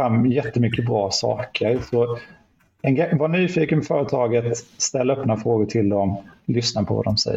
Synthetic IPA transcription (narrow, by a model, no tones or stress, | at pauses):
amːjɛt̪ːəmʏkːəbɾɑːsɑ̰ːkʰəɾsɔ | ɛnɡavaɳyːfiːkənfœːɾət̪ʰɑːɡət̪st̪ɛlːaœpːnafɾoːɡʊʈʰɪld̪ɔmlʏsnapʰɔva̰d̪ɔmsɛ̰jː